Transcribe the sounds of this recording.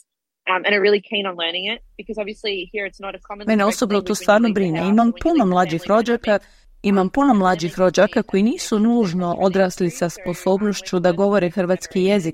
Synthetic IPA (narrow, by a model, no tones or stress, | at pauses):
ʔʌ̃mɨ̃ɾ̃ɨt̚ɹɪlˠikʰĩñn̩lɜ̃˞nɪ̃ŋɪt̚b̥ɨkʰʌzɑbviəslihiɹɨtsnəɾɨkʰɑmə̃nmeneo̞sobnot̪oːst̪ʋaːɾnobɾineimampunomlˠad͡ʒixɾo̞d͡ʒaka | imampunomlˠaːd͡ʒixɾo̞d͡ʒakako̞jiniːsunuːʒno̞ʔo̞d̪ɾaːslisaspo̞so̞ːbnoʃt͡ʃud̪aɡo̞ʋo̞ɾexrʋaːt̪skije̞zik